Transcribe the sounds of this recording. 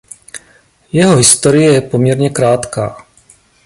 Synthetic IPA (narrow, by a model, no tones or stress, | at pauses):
jɛɦo̞ɦɪst̪o̞ɾɪjɛjɛpo̞mɲɛɾɲɛkɾaːt̪ka̰ː